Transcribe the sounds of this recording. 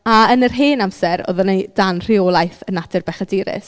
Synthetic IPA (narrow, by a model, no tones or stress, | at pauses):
aənərɦeːnamsɛɾɔ̰ðɔnejd̥anr̥iɔːlˠajθənadɨrbɛχadiːɾɪ̰s